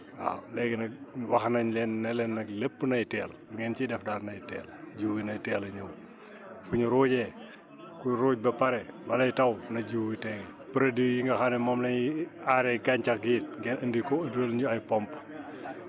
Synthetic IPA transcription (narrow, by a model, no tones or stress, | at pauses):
a̰lɛɡɛnɐwɐxnɐɲlɛnːɐlɛnːɐklepːənɐjtɛːlduŋɛnt͡ʃidɛfdaːrnɐjtɛ̰ːld͡ʒuwwinɐjtɛːlɐɲuw | fuɲuɾoːɟɛ | kuɾuːɟ̚bɐpɐɾɛwɐlɐjitɐwnɐɟuwwitɛŋ | pəɾɐdijiŋɡɐxanɛmɔmlɐɲiaɾɛkaɲt͡ʃɐkɡiːt̚ŋɡɛnəndikɔəduɐlɲuɐjpɔmp